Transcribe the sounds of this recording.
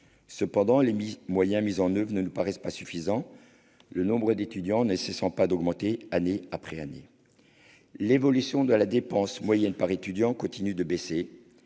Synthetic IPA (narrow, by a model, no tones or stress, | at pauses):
səpɑ̃d̪ɑ̃lemimwajɛ̃mizɑ̃nœvʁənənupaʁɛspasyfizɑ̃ | lənɔ̃bʁəd̪et̪yd̪jɑ̃nəsɛsɑ̃pad̪ɔɡmɑ̃t̪eaneapχɛanḛ | levɔlysjɔ̃d̪əlad̪epɑ̃smwajɛnpaʁet̪yd̪jɑ̃kɔ̃t̪inyd̪əbese